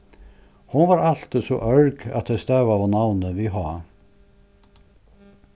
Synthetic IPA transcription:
hʊnvaɾal̥t̪əsɔʔœɹɡa̰t̪ʰɛst̪ɛːvavanawnəviɦɔː

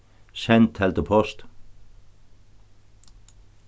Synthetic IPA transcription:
ʃɛnt̪ʰhɛlt̪əpʰɔʃt̪

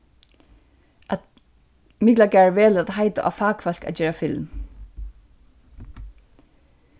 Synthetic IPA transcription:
ʔat̪ | mɪklaɡæːɹʋɛːləat̪ɦaɪt̪a̰ʔa̰faːkfal̥ka̰t̪t͡ɕɛːɹafɪlm

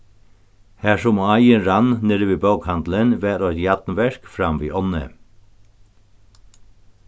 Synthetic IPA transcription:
hæːʃɔmːɑɪənɹɑnneɾəʋiːbɑːɡhɑnd̪lənʋæːɾɔtjɑt̪n̩ʋɛɹkfɾɑmʋḭːʔɔnə̰

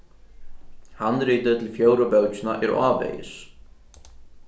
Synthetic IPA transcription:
hanːriːt̪ʏt̪ʰɪlfjoːwɾapœwt͡ɕʏnaʔɛɾaːvḛjɪ̰s

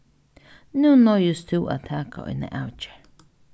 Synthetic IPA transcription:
nũnojust̪ʰua̰t̪ʰaka̰ḭnḛ̃ʔawt͡ʃe̥

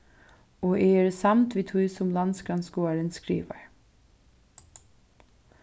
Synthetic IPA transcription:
oːʔɛɛɾsamt̪ʋiːt̪ʰujsʊmlanskɾanskoːaɾɪnskɾḭːʋa̰ɹ

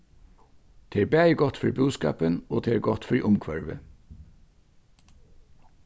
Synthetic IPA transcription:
t̪ʰeːɹbæːɪɡɔt̪fɔɹbʉːskɑ̰ːpənoːt̪ʰeːɹɡɔt̪fɔɹʔʊmkʰʋœɹʋə̰

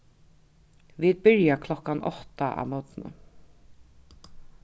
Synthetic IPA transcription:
viːd̪̚bɪɹjakʰlɔkanɔ̰ht̪aʔa̰ʋnɔt̪nə̰

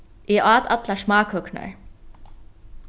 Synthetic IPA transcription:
ɛʔaːt̪a̰t̪lasmaːkhœkna̰ɹ

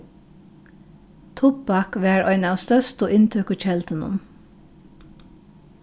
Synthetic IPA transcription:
t̪ʰʊpɑkʋæːɹɔʏnɑʋst̪œst̪ɔʔɪnt̪ʰøːkət͡ʃɛlt̪ənʊ̰n

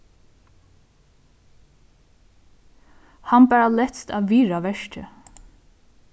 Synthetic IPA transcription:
hanbæːɹalɛt̪st̪aːʋiːɹaʋɛʃcə̰

